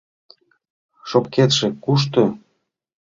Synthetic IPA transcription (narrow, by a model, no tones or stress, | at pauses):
ʃopket̪ʃĕkuʃ̬t̪ø